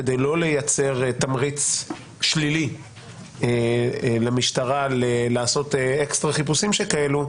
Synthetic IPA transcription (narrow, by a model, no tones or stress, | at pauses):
ed̪ejlo̞le̞jat͡se̞ʁt̪amʁit͡s | ʃlili | lemiʃt̪aʁalelaːso̞t̪eekst̪ʁaχipusimʃekae̞lu